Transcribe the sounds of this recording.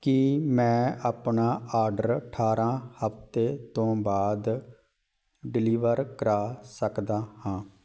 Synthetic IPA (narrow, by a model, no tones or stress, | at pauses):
kɪmɛ̃ːaːpɳaːaːɾɖəɾʈʰaːɾãːhəpt̪eːt̪õːbaːd̪ | ɖɪliːʋəɾkəɾaːsəkd̪aːhãː